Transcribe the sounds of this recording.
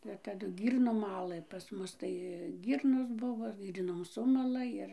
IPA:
ɪr tɐˈdʊ ˈɡʲiːrnoːm ˈmɑːlˠɘ pɐs ˈmʊs tɐɪ ˈɡʲiːrnoːs ˈbʊʋoː ˈɡʲiːrnoːm ˈsʊmɐlˠɐ ˈɪr

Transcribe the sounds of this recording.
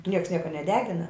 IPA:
ˈnʲiɛks ˈnʲiɛkɐ nʲɛˈdʲæːɡʲɪnɐ

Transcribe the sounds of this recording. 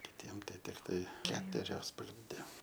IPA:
kʲɪˈtʲiɛm ˈtɐɪ tʲɪkˈtɐɪ ˈkʲæːtʊrʲoːs pɐɡrʲɪnʲˈdʲɛ

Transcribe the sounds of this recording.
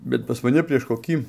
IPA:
bʲɛt pɐs mɐˈnʲɪ pʲrʲiɛʃ koːˈkʲiː

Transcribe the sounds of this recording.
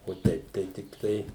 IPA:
oː ˈtɐɪp tɐɪ ˈtʲɪktɐɪ

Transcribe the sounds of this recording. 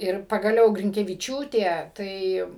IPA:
ɪr pɐɡɐˈlʲɛʊ ɡrʲɪŋʲkʲɛʋʲɪˈt͡ʃʲuːtʲeː ˈtɐɪ

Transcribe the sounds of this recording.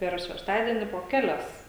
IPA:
ˈpʲɛr ʃʲɛʃˈtɑːdʲiɛnʲɪ poː ˈkʲæːlʲɛs

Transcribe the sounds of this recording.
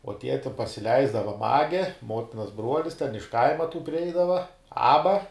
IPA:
oː ˈtʲiɛ tʲɪ pɐsʲɪˈlʲɛɪzdɐʋɐ ˈmɑːɡʲɛ ˈmoːtʲɪnɐs ˈbruɔlʲɪs tʲɛn ɪʃ ˈkɐɪmɐ tuː pʲrʲɪˈɛɪdɐʋɐ ˈɑːbɐ

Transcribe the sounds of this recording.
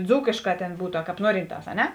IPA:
ˈd͡zuːkʲeːʃˌkɑː ˈtʲeːn ˈbuːtʊ ɐ ˈkɑːp ˈnuɔrʲɪnˌtɑːs ɐ ˈnʲɛ

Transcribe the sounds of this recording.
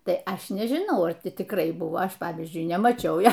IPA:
ˈtɐɪ ˈɐʃ nʲɛʒʲɪˈnɐʊ ɐr ˈtʲɪ tʲɪkˈrɐɪ ˈbʊʋoː ˈɐʃ ˈpɑːʋʲiːzʲd͡ʒʲʊɪ nʲɛmɐˈt͡ʃʲɛʊ ˈjoː

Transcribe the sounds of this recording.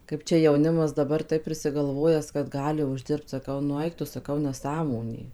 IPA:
kɐɪp ˈt͡ʃʲɛ jɛʊˈnʲɪmɐs dɐˈbɐr tɐɪp pʲrʲɪsʲɪɡɐlˠˈʋoːjæːs kɐt ˈɡɑːlʲɪ ʊʒʲˈdʲɪrpt sɐˈkɐʊ nʊ ˈɐɪk tʊ sɐˈkɐʊ nʲæˈsɑːmoːnʲeː

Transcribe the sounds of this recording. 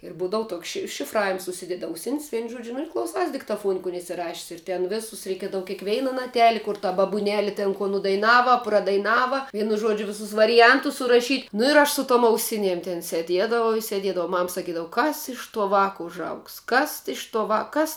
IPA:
ɪr ˈbuːdɐʋʊ ˈtoːks ʃʲɪ ʃʲɪfˈrɑːʋʲɪms ʊʃʲˈsʲɪdʲɛdʲɪ ɐʊˈsʲɪnʲsʲ ˈʋʲɛɪn ˈʒuɔd͡ʒʲʊ ɪr klˠɐʊˈsɐɪs dʲɪktɐˈfuɔn kʊn ɪsʲɪˈrɑːʃʲɪs ɪr ˈtʲɛn ˈʋʲeːsʊs rʲɛɪˈkʲiɛdɐʋɐ kʲɛɪˈkʋʲɛɪnɐ nɐˈtʲæːlʲɪ kʊr tɐ bɐbʊˈnʲæːlʲɪ ˈtʲɛn koː nʊdɐɪˈnɑːʋɐ prɐdɐɪˈnɑːʋɐ ˈʋʲiɛnʊ ˈʒoːd͡ʒʲʊ ˈʋʲɪsʊs ʋɐrʲɪˈjɛntʊs sʊrɐˈʃʲiːtʲ nʊ ɪr ˈɐʃ sʊ toːm ɐʊˈsʲɪnʲiɛm tʲɛn sʲɛˈdʲiɛdɐʋɐʊ ɪ sʲɛˈdʲiɛdɐʋɐʊ ˈmɐm sɐˈkʲiːdɐw ˈkɐs ɪʃ toː ˈʋɑːkɐ ʊʒˈɐʊks ˈkɐs ɪʃ toː ˈʋɑː ˈkɐs

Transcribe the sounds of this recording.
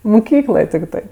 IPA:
mʊˈkʲiːklˠoːj tʲɪkˈtɜ

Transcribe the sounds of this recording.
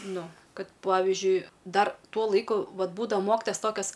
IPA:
ˈnʊ ˈkɐt ˈpɑːʋʲɪʒʲʊɪ ˈdɐr ˈtuɔ ˈlˠɐɪkʊ ˈʋɐt ˈbuːdɐʋɐ ˈmoːkʲɪtoːjɛs ˈtoːkʲɛs

